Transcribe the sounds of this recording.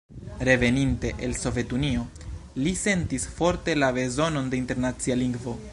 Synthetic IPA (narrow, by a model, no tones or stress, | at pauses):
ɾe̞ve̞ninte̞ʔelso̞vje̞tunio̞ | lise̞ntisfo̞ɾte̞labe̞zo̞no̞nde̞inte̞ɾnat͡sialiŋɡvo̞